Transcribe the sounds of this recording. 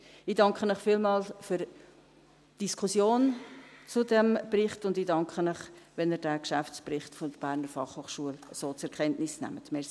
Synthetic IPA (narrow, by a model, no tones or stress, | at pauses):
ɪdɑŋkχənəχfiːlmɑːlfyɾ | d̥iskʰusjoːnt͡sʊdɛmbrɪχtʊndidɑŋkχənəχʋɛnəːɾdæːkʃæft͡sprɪχtfodəb̥æːɾnəɾfɑχhoːχʃuələsoːt͡sɛɾkʰɛntnɪsnæ̰mətmɛsi